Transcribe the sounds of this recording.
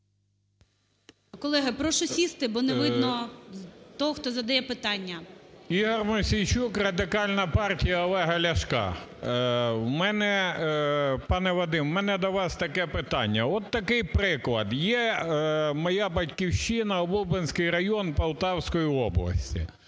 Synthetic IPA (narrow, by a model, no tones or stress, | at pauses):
kɔlˠɛɦɐpɾɔʃɔsʲist̪ɪbɔneʋɪd̪nɔ | t̪ɔɦɔxt̪ɔzɐd̪ɐjɛpɪt̪ɑnʲːɐiɦɔrmɐsʲijt͡ʃukrɐd̪ɪkɑlʲnɐpɑrtʲijɐɔlˠɛɦɐlʲɐʃkɑ̰ | wmɛnɛ | pɑnɛʋɔd̪ɪmwmɛnɛd̪ɔʋɑst̪ɐkɛpɪt̪ɑnʲːɐɔt̪ːɐkɪjpɾɪklˠɐd̪jɛ | mɐjɑbɐtʲkʲiwʃɪnɐɔbubɪnʲsʲkɪjɾɐjɔnpɐw̪ˠt̪ɑwsʲkɔjiɔblˠɐ̰sʲtʲḭ